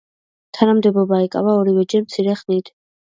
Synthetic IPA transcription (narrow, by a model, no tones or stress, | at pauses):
t̪ʰanamd̪ɛbɔbaɛkʼa̰vaɔɾivɛd͡ʒɛmt̪sʰiɾɛχnit̪ʰ